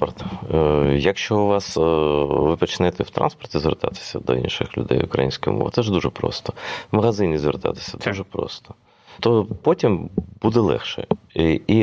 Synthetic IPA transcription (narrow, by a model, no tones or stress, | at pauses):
ɔrt̪ | jɐkʃt͡ʃɔʊʋɑs | ʋɪpɔt͡ʃɪnɛt̪ɛwt̪ɾʔɑ̰nspɔrt̪ʲizʋʲert̪ɑ̰t̪ɪ̥sʲɐd̪ɔ̰ḭnʃɪxlʲʊ̰d̪ɛ̰jʊkɾɐ̰jinʲsʲkʊjʊ̰mɔ̰ʋɪ̰t̪sɛʒd̪uʒɛpɾɔ̰st̪ɔmɐɣɐzɪnʲizʋʲert̪ɑ̰t̪ɪ̥sʲɐd̪uʒɛpɾɔ̰st̪ɔ̥ | t̪ɔpɔtʲimbud̪ɛlˠɛ̰xʃɛ̰i